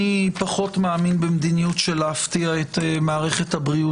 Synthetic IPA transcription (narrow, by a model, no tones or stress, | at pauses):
ipaχo̞tmaːminbemd̪inijutʃeleaftiaetemaːʁe̞χe̞thabʁiu